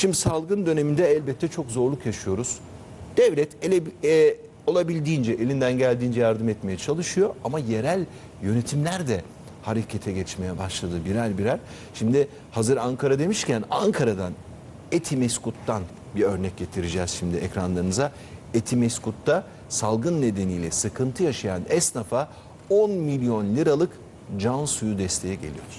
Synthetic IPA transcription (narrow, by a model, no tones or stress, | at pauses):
ʃimd̪isalˠɡɯnd̪ø̞ne̞mind̪ɛɛlʲbɛt̪ʰːɛt͡ʃʰo̞kzo̞ɾlˠukjaʃɯjo̞ɾuz̥ | d̪̥ɛvlʲɛt̪ʰelʲe | o̞lˠabilʲd̪iːnd͡ʒɛʔelʲind̪ænɟælʲd̪iːnd͡ʒɛjaɾd̪ɯmɛt̪me̞jɛt͡ʃʰalˠɯʃɯjo̞amaje̞ɾælʲ | jø̞ne̞t̪ʰimlʲæɾd̪ɛ | haɾecʰet̪ʰɛɟɛt͡ʃme̞jɛbaʃlˠad̪ɯbiɾælʲbiɾæɾʲ | ʃimd̪ɪ | hazɯɾaŋkʰaɾad̪e̞miʃcʰænaŋkʰaɾad̪an | et̪ʰimɛskut̪ːan | biɾø̞ɾnɛc̚ɟe̞t̪ʰiɾid͡ʒɛːz̥ʃimd̪ɪɛcɾanlˠaɾɯnɯza | et̪ʰimɛskut̪ːa | salˠɡɯnːe̞d̪e̞nijlʲɛsɯkʰɯnt̪ʰɯjaʃajanɛsnafa | o̞nmilʲjo̞nlʲiɾalˠɯk | d͡ʒansujud̪ɛst̪ʰe̞jɛɟe̞lʲḭjoɾɾ̥